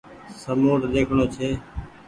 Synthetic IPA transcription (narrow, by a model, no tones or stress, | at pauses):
səmoːʈɗ̪eːkʰɳ̃oːt͡ʃʰeː